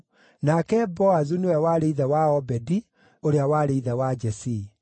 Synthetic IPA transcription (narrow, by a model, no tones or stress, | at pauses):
nakɛbɔazunowɛwaɾeiðɛwaɔbɛdi | oɾeawaːɾeiðɛwad͡ʒɛsi